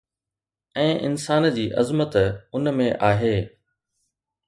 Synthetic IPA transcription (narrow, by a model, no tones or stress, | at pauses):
ɛ̃ːʔɪ̰nsaːnd͡ʑiːʔɐzmət̪ʊnmẽʔaːɦeː